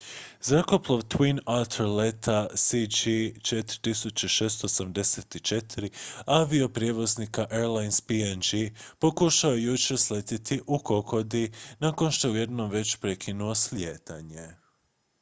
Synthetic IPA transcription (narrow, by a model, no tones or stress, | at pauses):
zɾakoplˠoʋt̪winat̪ʰolet̪ʰasid͡ʒit͡ʃet̪ɾi̥t̪isut͡ɕeʃeːst̪oosamd̪eset̪it͡ʃe̞t̪ɾiaʋio̞pɾʲje̞ʋo̞znikaʔeɾlajnspiend͡ʒipo̞kuʃaojejut͡ʃeslet̪it̪ʰiʔuko̞kʰo̞d̪inako̞nʃt̪o̞jeuje̞d̪no̞mʋe̞t͡ɕpɾekʰinuo̞sljeːt̪aɲe̞